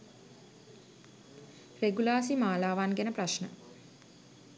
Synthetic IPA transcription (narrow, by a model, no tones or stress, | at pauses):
reɡulaːs̬imaːlaːʋaːnɡenəpraʃnə